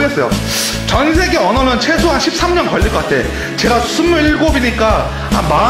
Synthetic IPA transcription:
ɡe̞s͈ʌjo̰ | t͡ɕʌnsʰe̞ɡe̞ʌnʌnɯnt͡ɕʰe̞sʰoɦanɕʰip̚s͈amɲʌnkʌɭʎːiɭkʌk͈atʰe̞ | t͡ɕe̞ɡasʰumuɭiɭɡobiɲik͈a | a̰ma

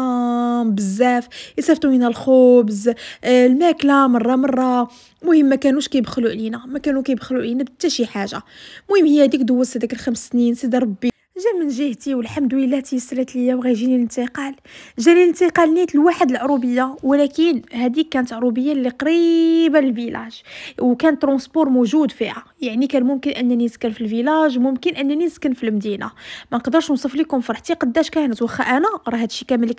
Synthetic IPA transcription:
mbəzːæfəsæft̪uminælxobzlmæklamɑrˤːɑmɑrˤːɑ | mʊhəmːækænuʃkæjbxluʔlinæmækænukæjbxluʕlinæbt̪ːæʃiħaʒa̰mʊhəmːhəjhæd̪ikd̪ʊwːæsæd̪ækəlxæmsːninsˤid̪ɑɾˤɑbːi | ʒæmənʒəht̪iwəlħamd̪uəlːæt̪jəsːlæt̪ləjːæwɣæjʒinilənt̪əqɑlʒænilənt̪əqɑlnit̪əlwaħəd̪əlʕɾubəjːawlækənhæd̪ikːænət̪ʕɾubəjːalːiqɑɾibænəlvilʔæ̰ʒwkænət̪ːɾɑ̃spuɾˤmuʒud̪fihajaʕnikænmʊmkənʔənːæniskænfilvilæʒmʊmkənʔənːæniskənfilmd̪ina̰mænqd̪əɾˤʃnsˤɑflikʊmfɾˤħt̪iqɑd̪ːæʃkænət̪wəxːæʔænæɾˤɑhæd̪ʃikæmələk

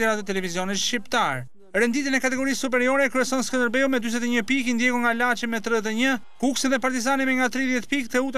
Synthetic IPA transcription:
ɛɾat̪ət̪ɛlɛviziɔnit̪ʃcipt̪aɾ | ɾɛnd̪it̪inɛkat̪ɛɡɔɾisːup̬ɛɾiɔɾɛkɾyɛsɔnskənd̪əɾbɛumɛd̪yz̬ɛt̪ɛɲəpikind̪jɛkuŋɡalat͡ʃɛnmɛt̪ɾɛɛt̪̬ɛɲə | kuksɛðɛpaɾt̪izanimɛŋɡat̪ɾiðjɛt̪pikt̪ɛut̪

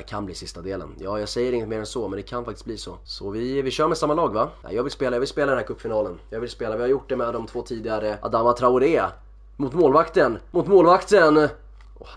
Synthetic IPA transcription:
kʰanbliːsɪst̪ad̪eːlə̰njɑːjɑːɡsɛjːəɾɪŋːət̪meːɾɛnsɔmɛnd̪ɛkʰanfakt̪ɪ̥st̚bliːsɔsɔvɪvɪɕœːɾmɛsamːalɑːɡvaɛ̰jɑːɡvɪlspeːlajɑvɪlspeːlad̪ɛnːæɾkʰɵpːfɪnɑːlənjɑːɡvɪlspeːlavɪhaɾjʊʈ̚ːd̪ɛmɛd̪ːɔmt̪ʰvoːt̪ʰiːd̪ɪɡaɾəʔa̰d̪amat̪ʰɾaʊɾeː | mʊt̪moːlvakt̪ənmʊt̪moːlvakt̪ən | ɔ

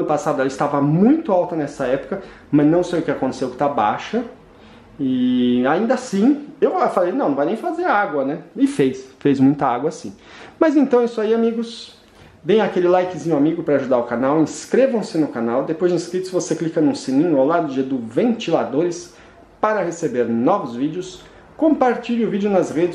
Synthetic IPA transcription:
ɐ̃nʊpasad̪ʊɛlɐɪst̪avɐmũj̃t̪ʊawt̪ɐnɛsɐɛpʊ̥kɐ | mɐznɐ̃w̃sejʊkɪakõnt̪e̥sewʊkɪ̥t̪aba̰ʃɐ | ɪaĩnd̪ɐsĩewafalejnɐ̃nɐ̃vajnẽj̃fazeɾaɡwɐnɛɪfejsfejzmũj̃t̪ɐaɡwɐasḭ̃ | mɐzẽnt̪ɐ̃w̃isʊaiamiɡʊs | vẽj̃akelɪlajkɪzĩɲʊamiɡʊpɾɐaʒud̪aɾʊkanawẽskɾevɐ̃w̃sɪnʊkanawd̪epojzĩskɾit̪ʊ̥svoseklikɐnũsĩnĩɲʊawlad̪ʊʊd͡ʒed̪ʊvẽnt͡ʃilad̪oɾɪs | paɾɐhesebeɾnɔvʊzvid͡ʒʊs | kõpaɾt͡ʃiʎʊvid͡ʒʊnɐzʁed͡ʒɪ

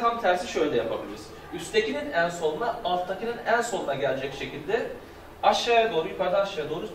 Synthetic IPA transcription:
amt̪ʰæɾsiʃø̞jlʲɛjapʰabilʲiɾiz̥ | yst̪ʰe̞cininænso̞nnaːlˠt̪ʰːakɯnɯnænso̞nunaɟɛlʲd͡ʒɛcʃe̞cilʲd̪ɛ | aʃːajad̪o̞ːɾujykʰaɾd̪anaʃajad̪o̞ːɾu

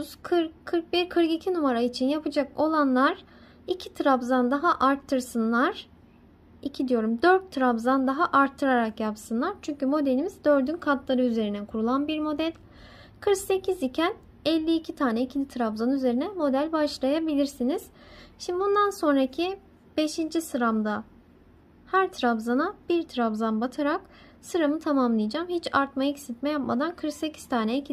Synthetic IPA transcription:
zkʰɯɾkkʰːɯɾk̚biɾkʰɯɾkicʰinumaɾait͡ʃʰinjapɯd͡ʒako̞lˠanlˠaɾ | icʰit̪ʰɯɾabzand̪aɦaʔaɾt̪ʰːɯɾsɯnlˠaɾ̥ | icʰid̪ijo̞ɾumd̪øɾt̪ʰːɯɾabzand̪aɦaʔaɾt̪ʰːɯɾaɾakjapsɯnlˠaɾt͡ʃʰyɲcymo̞d̪e̞lʲimizd̪ø̞ɾd̪ynkʰat̪lˠaɾɯyze̞ɾinɛkʰuɾulˠanbiɾmo̞d̪ælʲ | kʰɯɾkse̞cʰizicʰæn | ɛlʲːiːcʰit̪ʰaːnɛicʰilʲit̪ʰɾabzanɯyze̞ɾinɛmo̞d̪ælʲbaʃlˠajabilʲiɾsiniz̥ | ʃimd̪ibund̪anso̞nɾacʰi | b̥e̞ʃind͡ʒisɯɾamd̪a | hæɾt̪ʰɾabzanab̥iɾt̪ʰɾabzanbat̪ʰaɾak | sɯɾamɯt̪ʰamamlˠɯjd͡ʒamhit͡ʃʰaɾt̪majacsit̪mɛjapma̰d̪ankʰɯɾkse̞cʰi̥z̥t̪ʰaːnɛicʰi

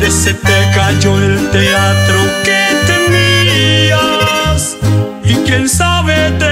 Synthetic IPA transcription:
d̪esepɛkad͡ʒoelt̪eat̪ɾoket̪emias | ikẽnsaβed̪e

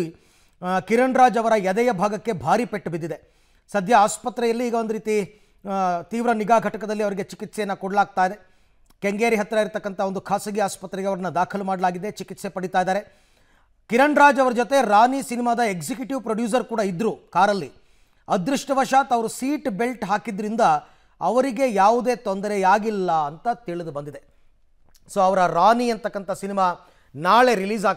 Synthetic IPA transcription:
i | kiɾɐɳɾaːd͡ʒɐʋɐɾɐjɐd̪ɛjɐbʱaːɡɐkːe̞bʱaːɾipeʈːbid̪ːid̪e̞ | sɐd̪ʱjɐaːspɐt̪ɾɛjɐlːiːɡɐond̪ɐɾit̪i | t̪iːʋɾɐniɡaːɡʱɐʈɐkɐd̪ɐlːiɐʋɐɾiɡe̞t͡ʃikit̪sɛjɐnːɐkɔɽɐlaːɡ̚t̪aːjid̪e̞ | keŋɡeːɾiɦɐt̪ɾɐiɾt̪ɐkːɐnt̪ʰɐo̞nd̪ukʰaːsɐɡiaːspɐt̪ːɾɛɡeɐʋɐɾɐnːɐd̪aːkʰɐlumaːɽɐlaːɡid̪e̞t͡ʃikit̪se̞pɐɽit̪aːjd̪aːɾe̞ | kiɾɐɳɾaːd͡ʒɐʋɐɾɐd͡ʒot̪e̞ɾaːnisinimaːd̪ɐeksikjuʈiʋpɾɐɖjuːs̬ɐɾkuːɽaid̪ɾuːkaːɾɐlːi | ɐd̪ɾuʂʈɐʋɐʂaːt̪ɐʋɐɾusiːʈbe̞lʈɦaːkid̪ɐɾind̪ɐ | ɐʋɐɾiɡe̞jaːʋud̪e̞ːt̪ond̪ɐɾejaːɡilːɐɐnt̪ɐt̪iɭid̪ubɐnd̪id̪e̞ | so̞ːɐʋɐɾɐɾaːniɐnt̪ɐkːɐnt̪ʰɐsinimaː | naːɭe̞ɾiliːzaː

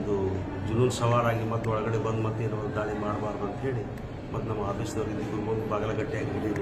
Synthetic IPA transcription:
d̪u | d͡ʒununsɐʋaːɾaːɡimɐt̪ːuɔɭɐɡɐɽeɡbɐnd̪umɐt̪ːeinɐmɐld̪aːɭimaːɽbaːɾd̪uɐnt̪ɐɦe̞ːɭi | mɐt̪ːunɐmːɐaːd̪eːʃɐd̪ɐʋɾɡiiɡ̪uɾubɐnd̪ubaːɡɐlɐɡɐʈːijaːɡiɾiliːɾ

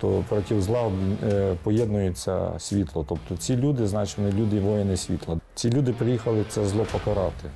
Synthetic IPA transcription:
t̪ɔpɾɔtʲiwzlˠɑbʲpɔjɛd̪nʊjʊt͡sʲːɐ̰sʲʋʲit̪lˠɔt̪ɔpt̪ɔt͡sʲilʲud̪ɪznɑt͡ʃɔnɪlʲud̪ɪʋɔjenɪsʲʋʲit̪lˠɐt͡sʲilʲud̪ɪpɾɪjixɐlˠɪsɛzlˠɔpɔkɐɾɑt̪ɪ

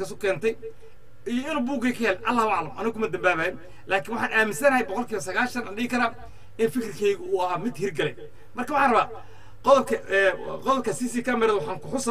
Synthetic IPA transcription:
kɐskʊ̥kʰɛːnt̪ʰɛj | ijɔɪnuːbuːɡɛjkʰɐjɛːlɛʔɐ̰lːaːhaʕlɐmʔɐ̰nɐɣkʰʊmɐd̪ɐmbaːβaːjɪn | lʔaːkʰɪnwɑħɑːnʔaːmɪnsɐnɐhɛjbɔqɔlkʰiːβɐsɐɣaːlʃɐnɐnɖɪːɪkʰɐɾɐ | ɪnfɪkrkʰɛjɣʊːɐɦaːmɪd̪hɪrɡɐlɛj | mɐrkɐwħɑːnrɐβaː | qɔðɔb̚kʰɐɛqɔðɔb̚kʰɐsisiːkʰɐmɛɾɛðwɑħɑːŋkʊħʊs

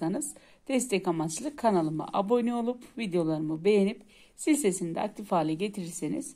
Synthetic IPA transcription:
anɯz̥ | d̪̥ɛst̪ʰɛcamat͡ʃlˠɯkʰːanalˠɯmɯ̰ʔabo̞nio̞lˠupvid̪ejo̞lˠaɾɯmɯbe̞jenip | silʲse̞sind̪ɛ̰a̰k̚t̪ʰifaːlʲiɟe̞t̪ʰiɾiɾsenḭz̥

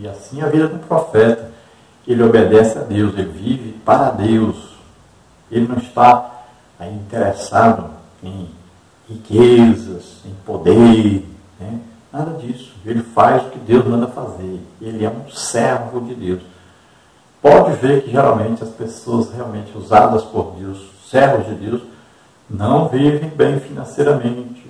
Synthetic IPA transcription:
iasĩɐvid̪ɐd̪ũpɾɔfɛt̪ɐ | elɪobed̪ɛsɪad̪ewselɪvivɪpaɾɐd̪ews | elɪnɐ̃w̃ɪst̪a | ãĩt̪eɾɛsad̪ʊ | ẽj̃ | hikezɐs | ẽj̃pod̪eɾ | nɛ | nad̪ɐd͡ʒisʊ̥elɪfajzʊkɪd̪ewzmɐ̃nd̪ɐfazeɾelɪɛũsɛɾvʊd͡ʒɪd̪ews | pɔd͡ʒɪveɾkɪʒɛɾa̰wmẽnt͡ʃɪɐspesoɐsheawmẽnt͡ʃɪuza̰d̪ɐspoɾd̪ews | sɛɾvʊzd͡ʒɪd̪ews | nɐ̃w̃vivẽj̃bẽj̃finɐ̃sejɾɐmẽt͡ʃɪ̥

